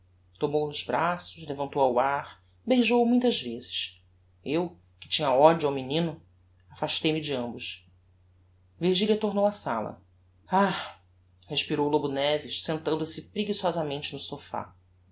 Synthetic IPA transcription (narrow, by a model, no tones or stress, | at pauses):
t̪omownʊzbɾasʊʃlevɐ̃nt̪owawaχ | bejʒowumũj̃t̪ɐzvezɪʃ | ew | kɪ̥t͡ʃĩɲɐɔd͡ʒuawminĩnʊ | afaʃt̪ejmɪd͡ʒɪɐ̃mbʊʃ | viɾʒilʲɐt̪oɾnowɐsa̰lɐ̰ | a | heʃpiɾowlobunɛvɪʃsẽnt̪ɐ̃nd̪ʊsɪpɾiɡisiɔzɐmẽnt͡ʃɪnʊsofa̰